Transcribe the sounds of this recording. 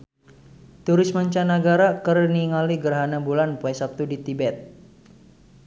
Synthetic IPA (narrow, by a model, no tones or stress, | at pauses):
t̪uɾisməɲt͡ʃanaɡaɾakərniŋaliɡərɦanabulanpuɛsap̚t̪udit̪ibɛt̪̚